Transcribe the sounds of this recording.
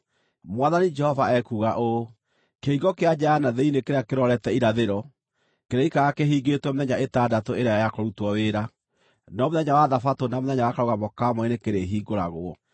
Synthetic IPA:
mwaðanid͡ʒɛhɔvaɛkuːɣaʔo | keiɡɔkead͡ʒanaðeinekeɾeakeɾɔɾɛtɛiɾaðeɾɔ | keɾeikaɣakeɦiːɡetwɛmoðɛɲaetaːdatoeɾeaajakoɾutwɔweɾa | nɔmoðɛɲawaðafatonamoðɛɲawakaɾoɣamɔkamɔenekeɾeɦiːɡoɾaɣoɔ

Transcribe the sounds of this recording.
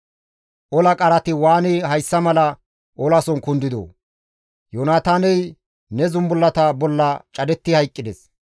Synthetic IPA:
ʔɔlɐkʼɐɾɐt̪ɪwaːnɪɦɐjsːɐmɐlɐ | ʔɔlɐsɔnkʊnd̪ɪd̪o̰ː | joːnaːt̪aːnɛj | nɛzʊmbʊlːɐt̪ɐbɔlːɐt͡ʃʼɐd̪ɛt̪ːɪhɐjkʼːɪd̪ɛs

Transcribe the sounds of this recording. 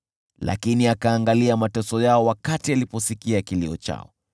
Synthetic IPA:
la̰kiniakaːŋɡaliamatɔsɔjaɔwakatialipɔsikiakilḭɔ̰t͡ʃa̰ɔ̰

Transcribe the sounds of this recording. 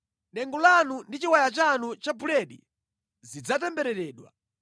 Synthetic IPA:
nɛŋɡɔlanundit͡ʃiwajat͡ʃanut͡ʃabulɛɗḭ | zid͡zatɛmbɛɾɛɾɛːɗwa̰

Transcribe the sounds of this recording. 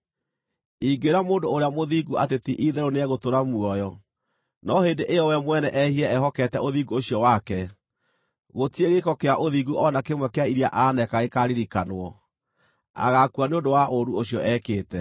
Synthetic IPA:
iɡeɾamoːndoːɾeamoðiːɡua̰tetiʔiðɛɾoneɛɣotoɾamuɔjɔ | nɔheːndeʔejɔwɛmwɛnɛʔɛhiɛɛɦɔkɛtɛoðiːɡuoɕijɔwakɛ | ɣotieɣekɔkeaʔoðiɡuʔɔnakemwɛkeaiɾiaʔanɛkaɣekaɾiɾikanwɔ | a̰ɣakuaneondowaʔoɾuoɕijɔʔɛkeːtɛ

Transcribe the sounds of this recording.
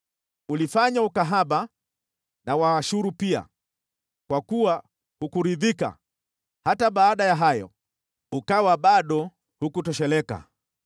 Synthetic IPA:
ulifaɲaukaɦaɓa | nawaːʃuɾupia̰ | kwakuwa | hukuɾiðika̰ | hataɓaːɗajaɦajɔ̰ | ukawaɓaɗɔ | hukutɔʃɛlɛka̰

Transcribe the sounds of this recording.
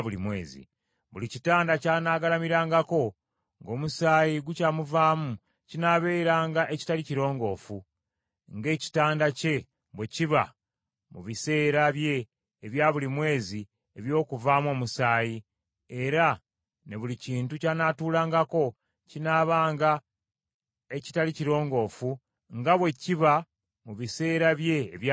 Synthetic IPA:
βulimwḛːzḭ | βulicitaːndacaːnaːɡalamiɾaːŋɡako̞ | ŋɡo̞ːmusaːjiɡucaːmuvaːmu | cinaːβe̞ːɾaːŋɡaʔeci̥taliciɾo̞ːŋɡo̞ːfu | ŋɡe̞ːci̥taːndace̞ | βweciβa̰ | mṵβise̞ːɾaβje̞ː | βjaːβulimwe̞ːzi | e̞βjo̞ːkuvaːmwo̞ːmusaːji | e̞ɾa | ne̞βuliciːntucanatuːlaːŋɡako̞ | cinaːβaːŋɡa | e̞ci̥taliciɾo̞ːŋɡo̞ːfu | ŋɡaβwe̞ciβa | muβise̞ːɾaβje̞ːβ

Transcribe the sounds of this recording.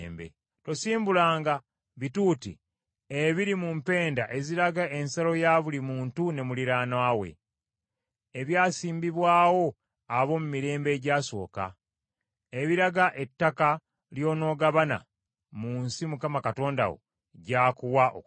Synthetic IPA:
mbḛ | to̞siːmbulaːŋɡa | βituːtḭ | eβiɾimumpe̞ːndaʔe̞ziɾaɡaʔe̞nsalo̞jaːβulimuːntune̞muliɾaːnaːwe̞̰ | eβjaːsiːmbiβwaːwo̞ | aβo̞mumiɾe̞ːmbe̞ːɟaːso̞̰ːka̰ | eβiɾaɡaʔe̞tːaka | ljo̞ːno̞ːɡaβana̰ | munsimukamakato̞ːnda̰wo̞̰ | ɟaːkuwaʔo̰

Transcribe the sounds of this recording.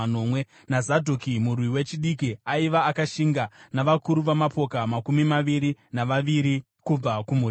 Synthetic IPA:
no̞mwe | nazadʱokimurwiwe̞t͡ʃiɗikiaiʋaːkaʃiŋɡanaʋakuɾuʋamapo̞kamakumimaʋiɾinaʋaʋiɾi | kub͡vakumu

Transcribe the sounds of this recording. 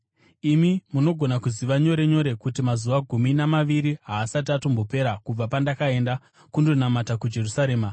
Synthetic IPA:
imimuno̞ɡʱo̞nakuziʋaɲo̞ɾe̞ɲo̞ɾe̞kutimazuʋaɡʱuminamaʋiɾiɦaːsat̬iatombope̞ɾakub͡vapandakae̞nda | kundo̞namatakud͡ʒe̞rusaɾe̞ːma

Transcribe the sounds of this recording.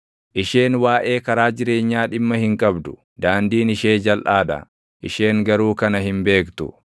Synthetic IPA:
ʔɪʃe̞ːnwaːʔeːkɐɾaːd͡ʒɪɾe̞ːɲːaːᶑɪmːɐhɪŋkʼɐbd̪ʊ̥ | d̪aːnd̪iːnɪʃeːd͡ʒɐlʔaːᶑɐ̰ | ʔɪʃe̞ːŋɡɐɾuːkɐnɐɦɪmbe̞ːkt̪ʊ̰

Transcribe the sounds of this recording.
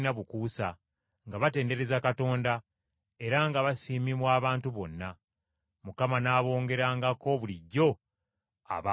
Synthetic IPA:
naβukuːsa | ŋɡaβate̞ːnde̞ɾe̞zakato̞ːnda | e̞ɾaŋɡaβasiːmimwaːβaːntuβo̞nːa | mukamanaːβo̞ːŋɡe̞ɾaːŋɡako̞βuliɟːo̞ | a̰β

